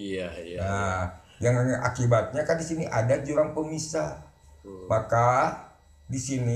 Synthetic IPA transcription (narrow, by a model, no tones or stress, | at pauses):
na | jaŋaɲaʔakibat̪̚ɲakandisiniʔadad͡ʒuɾaŋpəmisa | maka | disini